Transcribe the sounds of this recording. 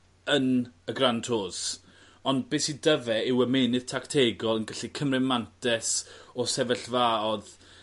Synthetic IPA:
ənəɡrantʰoːs | ɔnd̚beːsidəvɛɪwɛmenɨð̥tʰaktʰeːɡɔlˠənɡəɬikʰəmrɪmantʰɛsɔsɛvəɬvaɔð

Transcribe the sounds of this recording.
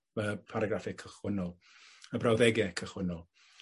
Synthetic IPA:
əpʰaɾaɡɾafɪkʰəχwɪnɔlˠ | əbrawðɛɡɛkʰəχwɪnɔlˠ

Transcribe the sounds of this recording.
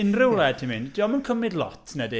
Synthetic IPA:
ɪnrɪwlɛd̚tʰimɨnd̥iɔmankʰəmɪdlˠɔ̰tʰnɛdi

